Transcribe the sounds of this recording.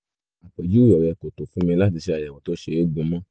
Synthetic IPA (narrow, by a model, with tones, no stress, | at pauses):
a˨k͡pɛ˨d͡ʒu˦jɔ˨ɾɛ˨˧˨ko˨to˨fũ˦mɛ̃˧la˦ti˧ʃe˧a˨ja˨wɔ̃˨to˦ʃe˧˦e˦ɡ͡bũ˧mã˦